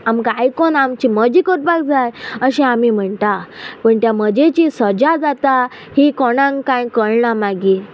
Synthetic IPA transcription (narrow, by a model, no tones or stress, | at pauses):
amkajkonamt͡ɕiməd͡ʑikoʈ̪̚bak̚d͡zajəɕɛ̃amim̤əɳt̪apəɳt̪jaməd͡ʑet͡ɕisəd͡ʑad͡zat̪a | hikoɽ̃ãŋkãjkəɭɳamaɡiː